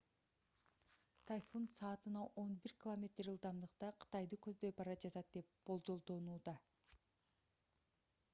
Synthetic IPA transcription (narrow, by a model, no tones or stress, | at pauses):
t̪ʰajfonsɑːt̪ɯnɑʔo̞nbiɾkʲɪlˠomʲe̞t̪ɾɯlˠd̪ɑmd̪ɯqt̪ɑqʰɯ̥t̪ɑjd̪ɯkøzd̪øjbɑɾɑd͡ʒɑt̪ɑt̪̚d̪e̞p̚b̥o̞lˠd͡ʒo̞lˠd̪o̞nuːd̪ɑ